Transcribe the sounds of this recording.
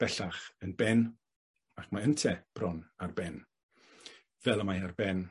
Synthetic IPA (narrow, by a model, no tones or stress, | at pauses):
b̥ɛɬaχənbɛn | akʰmaəntʰɛb̥rɔnarbɛn | vɛlˠamajarbɛn